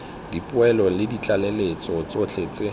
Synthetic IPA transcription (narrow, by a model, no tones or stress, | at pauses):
dipʼʊɛlɔlɪdit͡ɬʼalelet͡sʼɔt͡sʼot͡ɬʰet͡se